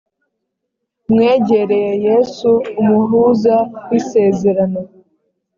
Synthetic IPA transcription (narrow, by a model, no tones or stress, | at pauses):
mŋeːɟe̞ɾejejesuːmuɦuːzawise̞ːzeɾano